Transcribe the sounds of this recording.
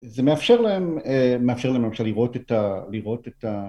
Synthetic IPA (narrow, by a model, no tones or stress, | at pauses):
zemeafʃe̞ʁlaemmːeafʃeʁlaememʃeliʁo̞tetaliʁo̞teta